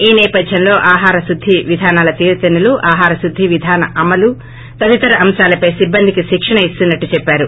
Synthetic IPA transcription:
iːnɛːpɐd̪ʱjɐnlo̞ːʔaːɦaːɾɐsud̪ʱːiʋid̪ʱaːnaːlɐt̪iːɾɐt̪ɐnuluʔaːɦaːɾɐsud̪ʱːiʋid̪ʱaːnɐʔɐmɐlu | t̪ɐʋ̪it̪ɐɾɐɐmʃaːlɐpɐjsibːɐnd̪ʱikiʃikʂɐɳɐist̪unːɐʈːut͡ʃɛpːaːɾu

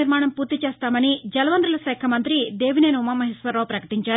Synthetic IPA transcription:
iɾmaːɳɐmpuːɾt̪it͡ʃeːst̪aːmɐnid͡ʒɐlɐʋɐnd̪ɾulɐsɛːkʰɐmɐnt̪ɾid̪eːʋineːnumɐmɐɦisʋɐɾːoːpɾɐkɐ̥ʈiɲt͡ʃaːɾ

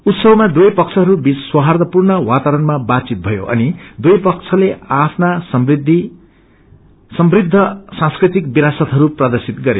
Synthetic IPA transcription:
ut̪sʌbmad̪ujpʌkt͡sʰʌɦʌɾubiswʌɦard̪ʌpurnʌwat̪aɾʌnmabat̪t͡sit̪̚bʱʌjo̰ʔʌ̰nid̪uejpʌk̚t͡sʰʌleapʰnasʌmbrid̪ʱːi | sʌmbrid̪ʱːʌsãskrit̪ik̚biɾasʌt̪ɦʌɾuprad̪ʌrsit̪ɡʌɾe

